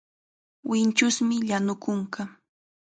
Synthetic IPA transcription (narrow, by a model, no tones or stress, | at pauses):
wɪnt͡ʃʊsmɪʎanʊkʊŋka